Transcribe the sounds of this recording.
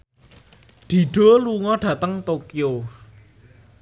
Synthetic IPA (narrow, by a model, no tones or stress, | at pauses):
d̪̥i̤ɖ̥o̤luŋɔɖ̥ä̤t̪əŋt̪okjo